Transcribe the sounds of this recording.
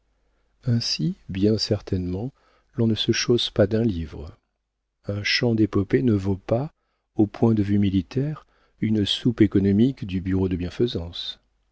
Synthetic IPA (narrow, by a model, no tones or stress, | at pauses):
ɛ̃sibjɛ̃sɛʁt̪ʰɛnmɑ̃ | lɔ̃nəsəʃospad̪ɛ̃livʁ | ɛ̃ʃɑ̃d̪epɔpenəvopa | opwɛ̃d̪əvymilit̪ʰɛʁ | ynsupekɔnɔmikd̪ybyʁod̪əbjɛ̃fəzɑ̃s